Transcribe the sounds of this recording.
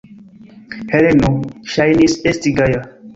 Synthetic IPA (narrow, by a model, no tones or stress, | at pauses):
helenoʃajnisestiɡaja